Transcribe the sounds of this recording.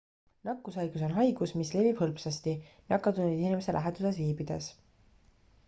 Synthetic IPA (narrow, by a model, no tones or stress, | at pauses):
nɑkːusɑjɡ̥uso̞nɦɑjɡ̥usmisle̞vib̥hɤlpsɑst̪inɑkːɑt̪uned̪inʲimeselʔæɦet̪usesviːbid̪̥e̞̰s